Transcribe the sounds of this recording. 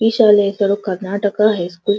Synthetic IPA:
iʃaːlesɐɽokəɾnaːʈəkaɦɛskuːl

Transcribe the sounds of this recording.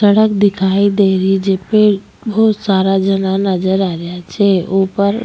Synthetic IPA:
səɽəkd̪ɪkʰaid̪eɾid͡ʒepeʈ | bɔɦt̪saɾad͡ʒənanəd͡ʒəɾaɾjat͡ʃʰeopəɾ

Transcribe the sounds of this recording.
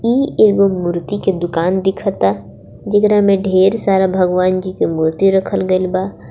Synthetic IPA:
iːeːɡomuɾt̪iked̪ʊkaːnd̪ɪkʰət̪a | d͡ʒɐkɾamẽɖʱeːɾsaːɾabʱɐɡʋaːnd͡ʒikemʊɾt̪iɾɐkʰəlɡɐlbaː

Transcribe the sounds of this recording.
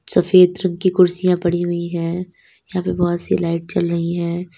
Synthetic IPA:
sɐfeːd̪ɾɐ̃ŋɡ̚kikʊɾsijãpɐɽiɦʊiɦɛ̃ː | jɐɦãpebɔːt̪silaːɪʈ̚t͡ʃɐlɾɐɦiɦɛ̃ː

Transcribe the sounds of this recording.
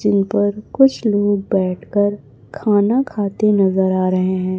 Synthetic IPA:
d͡ʒɪnpɐɾkʊt͡ʃʰloːɡ̚bɛːʈʰkəɾ | kʰaːnakʰaːt̪enɐzəɾaːɾɐɦẽɦɛ̃ː

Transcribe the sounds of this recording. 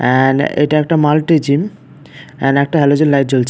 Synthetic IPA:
ɛnḛʈaɛk̚ʈamalʈid͡ʑim | ɛ̰nɛk̚ʈaɦɛlod͡ʑonlajʈ̚d͡ʑolt͡ɕʰ

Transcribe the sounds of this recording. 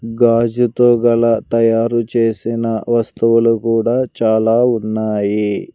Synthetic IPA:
ɡaːd͡ʒut̪oːɡɐlɐt̪ɐjaːɾut͡ʃe̞ːsinɐʋɐst̪uʋulukuːɽaːt͡ʃaːlaːunːaːji

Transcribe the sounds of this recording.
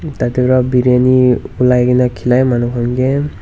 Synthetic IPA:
tatɛbɾabiɾaniulajɡinakʰilajmanukʰɔnɡe

